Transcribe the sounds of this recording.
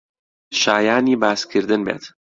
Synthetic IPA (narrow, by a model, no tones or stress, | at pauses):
ʃaːjaːniːbaːskʰiɾd̪enbɛ̰t̪